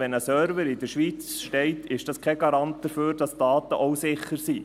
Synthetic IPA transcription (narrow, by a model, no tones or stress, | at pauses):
ɛnəsœːɾvəɾɪdəɾʃʋiːt͡sʃteɪtɪʃd̥ɑskʰɛɡɑɾɑnt̚d̥əføːɾd̥ɑsd̥ɑːt̪əʔoʊsɪχːəɾsiː